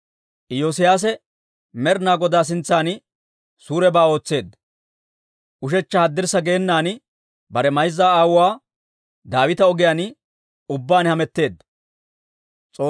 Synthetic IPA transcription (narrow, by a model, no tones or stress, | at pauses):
ʔɪjoːs̬ɪjaːs̬ɛ | mɛɾnaːɡɔd̪aːs̬ɪnt͡sːaːn | suːɾɛbaːo̞ːt͡sːe̞ːd̪ːɐ | ʔʊʃ̬ɛt͡ʃːɐhɐd̪ːɪɾsɐɡeːnːaːn | bɐɾɛmɐjzːaːaːwʊwaː | d̪aːwɪt̪ɐɔɡɪjaːn | ʊbːaːnhɐmɛt̪ːe̞ːd̪ːɐ | t͡sʼoː